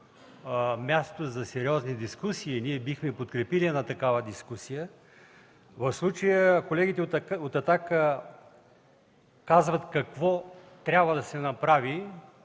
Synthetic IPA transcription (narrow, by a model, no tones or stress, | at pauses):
mʲjast̪ot̪ozɐsɛɾiɔznid̪iskusiːniɛbixmɛpot̪kɾɛpiliɛnat̪ɐkavəd̪iskusijə | vɐfslˠut͡ʃəjəkolɛɡʲit̪ɛot̪ɐt̪akə | kazvɐt̪kɐkvɔt̪ɾʲjabvəd̪ɐsɛnɐpɾavi